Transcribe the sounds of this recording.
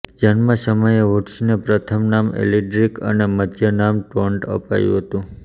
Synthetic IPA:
d͡ʒanmasəməjeʋuʈʃnepɾət̪ʰəmnamḛliʈɾikə̰nemət̪ʰjənamʈoɳʈə̰pa̰jṵ̃ɦət̪ũ

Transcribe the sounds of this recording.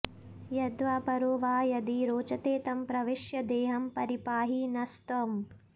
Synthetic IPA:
jɐd̪ʋaːpɐɾoːʋaːjɐd̪iɾoːt͡ʃɐt̪eːt̪ɐmpɾɐʋiʃjɐd̪eːɦɐmpɐɾipaːɦinɐst̪ɐm

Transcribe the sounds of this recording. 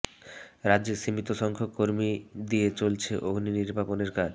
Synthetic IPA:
ɾadːd͡ʑeʃimit̪oʃɔŋkʰokoɾmid̪iet͡ɕolt͡ɕʰeʔoɡʱniniɾbʱaponeɾkaɾ

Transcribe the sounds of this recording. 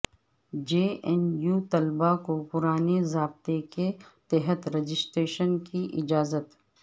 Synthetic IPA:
d͡ʒeːɛnjuːt̪ɐlbakopʊɾaːnezaːb̚t̪eket̪ɛɦət̪ɾed͡ʒɪsʈɾeːʃənkiʔɪd͡ʒaːzət̪

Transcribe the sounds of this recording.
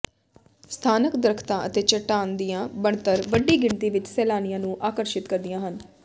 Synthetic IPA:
st̪ʰaːnəkd̪ɾəkʰt̪ãːʔət̪eːt͡ʃəʈaːnd̪ijãːbəɳt̪əɾʋəɖiːɡɪɳt̪iːʋɪt͡ʃsɛːlaːnɪjãːnũːʔaːkəɾʃɪt̪kəɾd̪ijãːɦən

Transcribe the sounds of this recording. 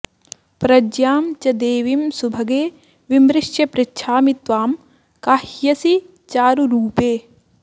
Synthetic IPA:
pɾɐd͡ʒjaːmt͡ʃɐd̪eːʋimsubʱɐɡeː | ʋimɾɪʃjɐpɾɪtːʃʰaːmit̪ʋaːm | kaːhjɐsi | t͡ʃaːɾuɾuːpeː

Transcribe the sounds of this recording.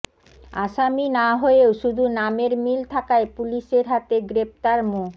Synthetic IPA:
aʃaminaɦoeoʃud̪ʱunameɾmilt̪ʰakaepuliʃeɾɦat̪eɡɾep̚t̪aɾmo

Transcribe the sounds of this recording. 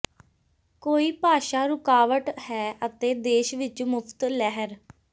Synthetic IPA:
koːiːpaːʃaːɾʊkaːʋəʈhɛːʔət̪eːd̪eːʃʋɪt͡ʃmʊpʰt̪lɛɦəɾ

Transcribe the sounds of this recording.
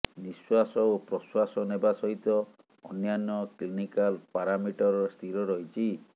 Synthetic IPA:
niswasɔopɾɔswasɔnebasɔɦit̪ɔ | ɔnjanɔklinikalpaɾamiʈɔɾɔst̪ʰiɾɔɾɔɦit͡ʃʰi

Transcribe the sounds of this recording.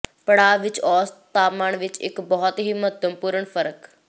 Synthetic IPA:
pəɽaːʋɪt͡ʃɔːst̪aːmaːɳʋɪt͡ʃɪ̰kbɔɦɔt̪ɦiːməd̪əmpuːɾəɳfʰəɾək

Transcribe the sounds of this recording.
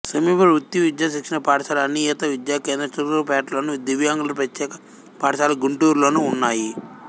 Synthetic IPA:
sɐmiːpɐɾʋut̪ːjiʋid̪jaːʃikʂɐnɐpaːʈɐʃaːlɐɐnijɐt̪ɐʋid̪jaːkeːnd̪ɾɐt͡ʃuɾuɾupɛːʈlo̞ːnud̪iʋjaːŋɡulɐpɾɐt̪ːjɛːkɐ | paːʈɐʃaːlɐɡuɳʈuːɾlo̞ːnuːnːaːji

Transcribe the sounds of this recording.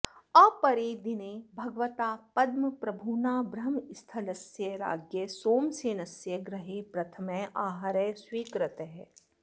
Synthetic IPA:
ɐpɐɾeːd̪ineːbʱɐɡʋət̪aːpɐd̪mɐpɾɐbʱuːnaːbɾɐmɪst̪ʰɐlɐsjəɾa̰ːɡjəsoːmseːnɐsjɐɡɾɐɦeːpɾɐt̪ʰɐmẽʔaːɦaɾɛswiːkɾət̪ɦɛː

